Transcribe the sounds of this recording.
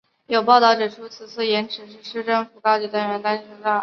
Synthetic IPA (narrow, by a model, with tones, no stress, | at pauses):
jo˨˩ʊpɑ˥˧ʊt̪ɑ˥ʊʈ͡ʂɻ̩˨˩ʈ͡ʂʰu˥t͡sʰɹ̩˨˩t͡sʰɹ̩˥˩jɛ˧˥nʈ͡ʂʰɻ̩˧˥ʂɻ̩˥˩ʂɻ̩˥ʈ͡ʂɤ˥ŋfu˧˥kɑ˥t͡ɕi˧˩t̪a˥nɻə˧˥nt̪a˥˧nʂʰə˧˥ŋʈ͡ʂa˥˩